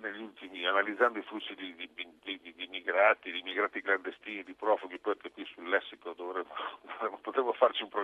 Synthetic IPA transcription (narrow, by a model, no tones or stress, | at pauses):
neʎːiult̪imianalid̪zːand̪oiflusːid̪id̪iid̪id̪id̪imːiɡɾaːt̪id̪iːmːiɡɾaːt̪ikland̪est̪iːnid̪ipɾɔːfoɡipɔkekwisulːɛsːikod̪ovɾɛmːod̪ovɛmːopot̪ɾɛmːofart͡ʃiumpɾo